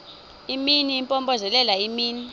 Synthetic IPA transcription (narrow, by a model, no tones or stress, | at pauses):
iminiːmpʼɔmbɔzɛlɛlaimiːni